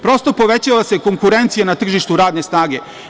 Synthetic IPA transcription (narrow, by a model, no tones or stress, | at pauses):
pɾo̞st̪o̞po̞ʋet͡ɕalase̞ko̞ŋkuɾe̞nt̪sijenat̪r̩ʒiʃt̪uɾaːd̪ne̞snaːɡe̞